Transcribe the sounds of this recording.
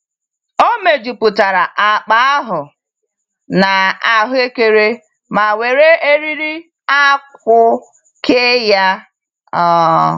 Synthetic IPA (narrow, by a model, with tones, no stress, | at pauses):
o˦me˨d͡ʒu˨pʊ˨ta˨ɾa˨ʔa˨k͡pa˨˦a˦ɦʊ˨ | na˨a˨ɦʊ˦e˦ke˨ɾe˦ | ma˨we˨ɾe˦e˦ɾi˦ɾi˦ | a˦k̚ʷʊ˦ | kʰe˦ja˦ | ɔː˦